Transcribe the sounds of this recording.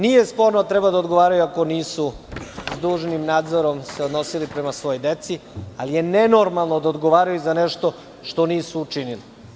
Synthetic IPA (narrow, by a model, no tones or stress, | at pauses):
niːje̞spo̞ɾnot̪ɾebad̪aod̪ɡo̞ʋaːɾajuako̞niːsuzd̪uːʒnimnaːd̪zo̞ɾo̞mseod̪no̞silipɾe̞masʋo̞jojd̪et̪sialije̞neno̞ɾmalˠnod̪aod̪ɡo̞ʋaːɾajuzaneʃt̪o̞ | ʃt̪o̞niːsuːt͡ʃinili